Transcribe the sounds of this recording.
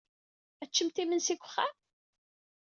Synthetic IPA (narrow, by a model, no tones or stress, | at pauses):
æt͡ʃːəmt̪imənsiɡʷə̥χːæm